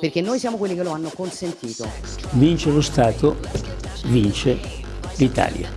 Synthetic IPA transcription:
perkenːoːjsjaːmokwelːikeloanːokonsent̪iːt̪o | vint͡ʃelost̪aːt̪o | vint͡ʃe | lit̪a̰ːlja̰

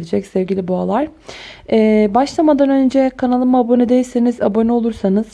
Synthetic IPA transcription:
lʲid͡ʒɛcsɛvɟʲilʲibualˠaɾ̥ɛːbaʃlˠamad̪anø̞nd͡ʒɛkʰanalˠɯmabonud̪ejisiniza̰bonio̞lˠuɾsanɯz̥

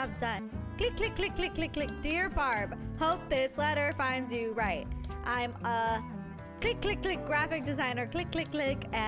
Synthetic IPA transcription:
bdʌ̃nkʰl̥ɪkʰl̥ɪkʰl̥ɪkʰl̥ɪkʰl̥ɪkʰlɪk̚d̥ɪɹbɑɹbhoʊp̚ðɪslɛɾə˞fãɪ̃ndzjʉɹaɪt̚ʔãɪ̃mə | kʰl̥ɪkʰl̥ɪkʰl̥ɪk̚ɡ̥ɹæfɨk̚d̥ɨzãɪ̃nə˞kʰl̥ɪkʰl̥ɪkl̥ɪkɨ

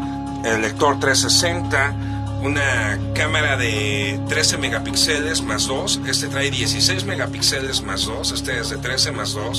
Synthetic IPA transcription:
elːe̞k̚t̪o̞ɾt̪ɾesːe̞se̞nt̪a | unakamaɾaðe̞t̪ɾe̞se̞me̞ɣapikse̞le̞zmazðo̞se̞st̪e̞t̪ɾajðje̞sise̞jzme̞ɣapikse̞le̞zmazðo̞se̞st̪eezðe̞t̪ɾe̞se̞mazðo̞s

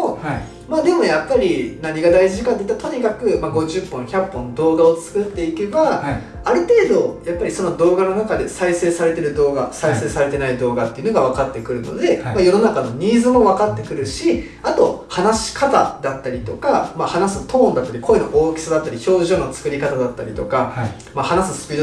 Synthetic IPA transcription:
o | maːd̪e̞mo̞japːaɾʲinaɲ̟iɡad̪aiʑiikaeit̪ːat̪o̞ɲ̟ikakɯ̟maɡo̞ʑɨpːõ̞ɰ̃çʲapːõ̞nd̪o̞ːɡao̞t͡sɨ̥kɯ̟t̪ːe̞ike̞baː | ɾɯ̟t̪e̞ːd̪o̞japːaɾʲiso̞nod̪o̞ːɡano̞nakad̪e̞saise̞ːsaɾe̞t̪e̞ɾɯ̟d̪o̞ːɡa̰saise̞ːsaɾe̞t̪e̞naid̪o̞ːɡat̪ːe̞iɯ̟no̞ɡaβ̞akat̪ːe̞kɯ̟ɾɯ̟no̞̰d̪e̞majo̞no̞nakano̞ɲ̟iːzɨmo̞βakat̪ːe̞kɯ̟ɾɯ̟ɕi | at̪o̞hanaɕi̥kat̪a̰d̪at̪ːaɾʲit̪o̞kamahanasɨ̥t̪õ̞ːnd̪at̪ːaɾiko̞eno̞̰ʔoːkʲi̥sad̪at̪ːaɾʲiço̞ːʑoːno̞t͡sɨ̥kɯ̟ɾʲikat̪ad̪at̪ːaɾʲḭt̪o̞ka | mahanasɨsɨ̥pʲiːd̪o

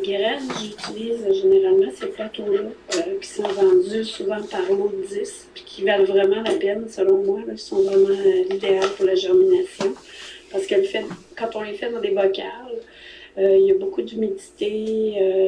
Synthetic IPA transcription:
ɡʲeʁɛnʒyt͡siliːzʒeneʁalmɑ̃seplat̪ɔ̃lɔøkʲi̥sɔ̃vɑ̃dd͡z̪ysuvɑ̃paʁlod͡zɪs | pi̥kʲivalvʁɛmɑ̃lapɛnsəlɔ̃mwalɔkʲi̥sɔ̃vʁɛmɑ̃ølid̪ealpuʁlaʒɛʁminasjɔ̃paʁsə̥kɛlfɛkɑ̃t̪ɔ̃lefɛd̪ɑ̃d̪evɔkʲal | øiljabokud̪ymilit̪eø

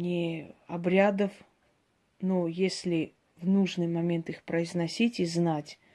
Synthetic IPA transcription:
nʲɪɐbɾʲad̪əf | nojesʲlʲɪ | vnuʐnɨjmɐmʲe̞nt̪ɨxpɾəɪznɐsʲitʲiznatʲ

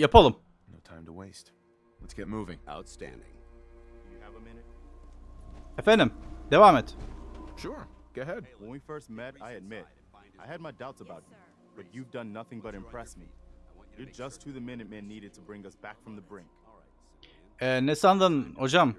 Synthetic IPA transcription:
japʰalˠɯmnoʊtʰãɪ̃mtʰəweɪst | lətsɡ̥ɛt̚muvɪ̰̃ŋa̰ʊtstæ̰̃ndɪ̰̃ŋ | jvnt | ɛfɛ̃nd̪ɨmd̪̥evaːmɛt̪ʃʊɹɡ̥oəɦɛd̥̚wə̃nwifɜ˞st̚mɛɾaɪɨd̚mɪɾ | aɪɨd̚maɪdaʊtsəbaʊt̚mi | b̥ʌt͡ʃʉvdʌ̃nːʌθɪ̃ŋbʌɾɨ̃mpʰɹ̥ɛsmijə˞d͡ʒʌst̚hɨðɨmɪ̃nɨt̚mɛ̃nːiɾɨd̚tʰəbɹɪ̃ŋʌsb̥ækfɹʌ̃mðəbɹɪ̃ŋk | ɛnɛsand̪anod͡ʒam

